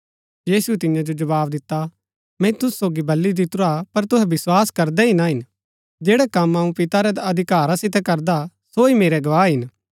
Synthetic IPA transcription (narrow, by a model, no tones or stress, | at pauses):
jiːsuɛt̪ɪjãd͡ʒod͡ʒɐbaːbd̪ɪt̪ːa | mɛ̃t̪ʊsːoːɡibɐlːid̪ɪt̪ʊɾapɐɾt̪ʊɦɛbɪswaːskɐɾd̪ɛɦɪnaɦɪn | d͡ʒeːɽɛkɐmaːũpɪt̪aɾɛd̪ɐd̪ʱɪkaːɾasɪt̪ɛkɐɾd̪a | soimeːɾɛɡɐʋaːɦɪn